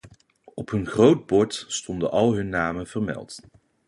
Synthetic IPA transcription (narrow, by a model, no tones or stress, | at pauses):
ɔpɦɵnχrowd̚bɔɹtstɔndənʔɑlˠɦɵnːaːmənvəɹmɛ̰lˠt